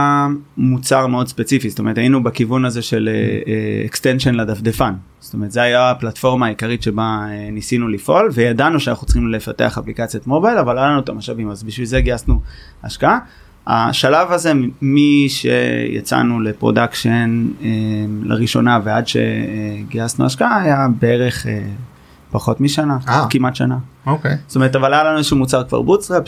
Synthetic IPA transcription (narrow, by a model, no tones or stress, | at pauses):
mut͡saʁmeo̞dspe̞t͡sifizotome̞et̪ainubakivunazeʃelḛeḛkst̪enʃenlad̪afd̪efan | z̥o̥toeʁt̪zeajaːplatfo̞ʁmaːikaʁit̪ʃe̞baenisinulifʔo̞lvejadanuʃeanaχut͡sχimle̞fate̞aχaplikat͡sijot̪mo̞bajlavalalanuet̪amaʃavimazbiʃvilzeɡiasnu | a̰ʃkaa | a̰ʃalavaze̞miʃḛja̰t͡sa̰nulepʁo̞̰dakʃenela̰ʁiʃo̞̰naveadʃe̞̰ɡiasnuaʃkaaːjabeeʁe̞χḛ | paχo̞tmiʃanaakimatʃanaokesotometavalajalanuʃumut͡saʁkva̰ʁbutsʁep